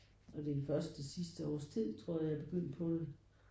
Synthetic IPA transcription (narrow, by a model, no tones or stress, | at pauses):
ɒ̽d̥edenfɶɐsd̥esisd̥əɒ̰ːst͡sʰið̰ˠt͡sʰʁo̝ɐ̰jɑ̈æb̥e̝ɡ̥øn̰d̥̚pʰɒ̽d̥e